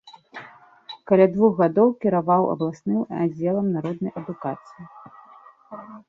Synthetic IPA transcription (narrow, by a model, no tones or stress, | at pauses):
kɐalʲad̪vuxɣad̪ɔwkʲiɾavawɐ̰blˠasnɨma̰d͡zʲːɛlˠɐmnaɾɔd̪̚nɐjɐd̪ukat̪sɨji